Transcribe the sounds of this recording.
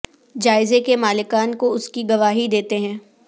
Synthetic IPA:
d͡ʒaːɪzekemaːlɪkaːnkoʊskiɡɐʋaːɦid̪eːt̪eɦɛ̃ː

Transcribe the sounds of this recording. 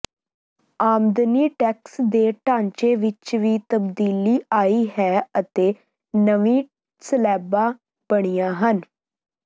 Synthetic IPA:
aːmd̪niːʈɛːksd̪eːʈãːɲt͡ʃeːʋɪt͡ʃʋiːt̪əbd̪iːliːaːiːɦɛːət̪eː | nəʋĩː | səlɛːbaː | b̥əɽ̃ijaːɦən

